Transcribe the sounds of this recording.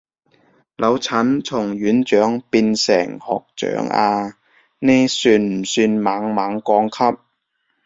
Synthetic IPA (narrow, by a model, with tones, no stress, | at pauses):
lʔɐ˨˧wt͡sʰɐ˨˥nt͡sʰʊ˨˩ŋɥyː˨˥nt͡ʃœː˨˥ŋpiː˧nsɛ̰ː˨˩ŋhɔ̰ː˨k̚t͡ʃœ̰ː˨˥ŋʔa̰ː˧ | neː˥syː˧nm̩˨˩syː˧nmaː˨˥ŋmaː˨˥ŋkɔː˧ŋkʰɐ˥p̚